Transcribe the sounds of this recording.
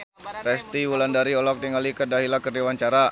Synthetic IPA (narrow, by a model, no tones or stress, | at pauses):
ɾɛst̪iwulandaɾiɔlɔk̚diŋalikədaɦilakərdiwaɲt͡ʃaɾa